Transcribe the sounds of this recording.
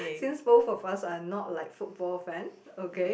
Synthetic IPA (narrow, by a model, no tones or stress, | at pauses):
sĩnsbofɔfasanɔt̚laɪkfut̚b̥ɔlfɛ̃n | oke